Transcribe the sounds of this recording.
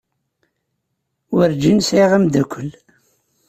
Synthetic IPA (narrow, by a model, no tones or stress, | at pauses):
wəɾd͡ʒinsiʁəmd̪ækʷʰːəl